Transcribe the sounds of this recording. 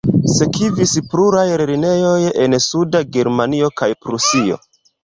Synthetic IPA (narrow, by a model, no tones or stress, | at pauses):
se̞kivispluɾajɾeɾine̞jo̞je̞nsudaɡe̞ɾmanio̞kajpɾusio̞̰